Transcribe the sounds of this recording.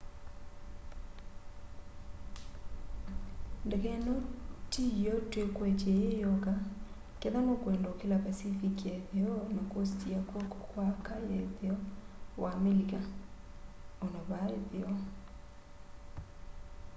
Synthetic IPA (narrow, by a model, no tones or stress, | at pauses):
ndɛɣɛnɔtijɔtwekwɛt͡ʃɛjejɔɣa | kɛðanokwɛndokelapasifikɛðeɔnakostiakwokwakajɛðeɔwʔameliɣa | onɔβaeðeɔ